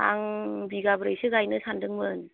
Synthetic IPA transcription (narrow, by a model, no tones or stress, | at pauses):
a̰ŋbiɡabɾɯjsɯɡajnɯsʰandɯŋmɯn